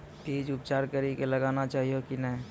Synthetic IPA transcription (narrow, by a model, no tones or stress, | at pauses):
t̪eːd͡ʒʊp̚t͡ʃaːɾkəɾikelɐɡaːnat͡ʃaːɦijokinə̃